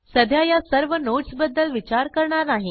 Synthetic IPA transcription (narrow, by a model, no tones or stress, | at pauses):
səd̪ʱjajasəɾʋənoʈsbəd̪ːəlʋit͡ɕaɾkəɾɳaɾnaɦi